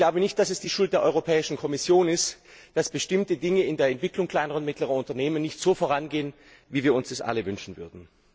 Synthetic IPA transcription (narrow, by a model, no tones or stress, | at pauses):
laʊbənɪçt̚d̥asɛsd̥iːʃʊlt̚d̥eːɐʔɔʏʁopʰɛːɪʃn̩kʰɔmɪsjoːnɪstd̥asb̥əʃtɪmtədɪŋəɪndeːɐɛntv̥ɪklʊŋkl̥aɪnəʁəʊntmɪtləʁɐʊntɐneːmənːɪçtz̥oːfoːʁanɡeːən | viːviːɐʊnsd̥asʔa̰ləvʏnʃn̩vʏ̰ɐdn̩